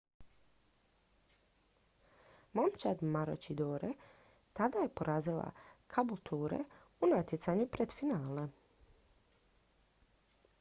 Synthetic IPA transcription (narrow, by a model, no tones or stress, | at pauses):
momt͡ʃad̪maɾo̰t͡ʃid̪oːɾe | t̪ad̪aje̞poɾʔaːzila̰kʰabulˠt̪ʰuːɾḛ | unat̪jesaɲupɾed̪̥finaːle